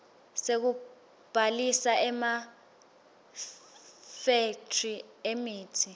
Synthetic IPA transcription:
sek̬u | b̥ʱalisaʔɛma | fetʰriemiːtʰi

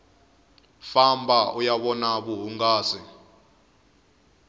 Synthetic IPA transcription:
fambʱaʔujaɓɔnaɓuɦuŋɡaːsi

